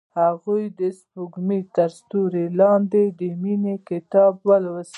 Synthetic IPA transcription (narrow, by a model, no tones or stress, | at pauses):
haɣujd̪əspuɡmit̪aɾst̪uɾelɑnd̪ed̪əminekɪt̪ɑbwəlwəs